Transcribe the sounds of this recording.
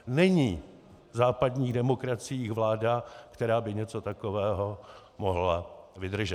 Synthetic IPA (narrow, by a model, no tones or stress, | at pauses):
nɛɲiː | zaːpadɲiːɣdɛmo̞kɾat͡sɪjiːxvlaːdakt̪ɛɾaːbɪɲɛt͡so̞t̪ako̞vɛːɦo̞ | moɦlavɪd̪r̩ʒɛt̪